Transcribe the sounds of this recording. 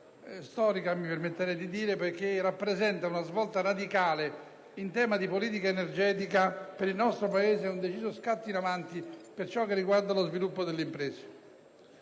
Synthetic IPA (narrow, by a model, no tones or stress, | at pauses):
ɛst̪ɔːɾikamipeɾmet̪ːeɾɛjd̪id̪iːɾeperk̟erapːɾezɛnt̪aunazvɔlt̪aɾad̪ikaːle | int̪ɛːmad̪ipoliːt̪̬ikaenerd͡ʒɛːt̪ikapeɾilnɔst̪ɾopaeːzeɛund̪et͡ʃiːzoskat̪ːinavant̪ipert͡ʃɔkːerːiɡward̪alozvilupːod̪elːeimpɾɛːze̥